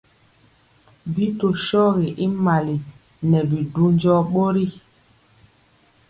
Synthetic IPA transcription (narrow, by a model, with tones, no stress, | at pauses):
bi˦to˨ʃɔ˦ɣi˨ʔi˦ma˨li˨ | nɛ˨bi˨du˦ɲ˦d͡ʒɔ˦ɓo˦ɾi˦